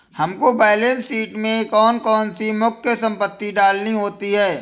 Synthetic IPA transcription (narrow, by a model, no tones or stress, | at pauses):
hɐmkobɛːleːnsiːʈmẽkɔːnkɔːnsimʊkʰjəsɐ̃mpət̪ːiɖaːlniɦoːt̪iɦɛː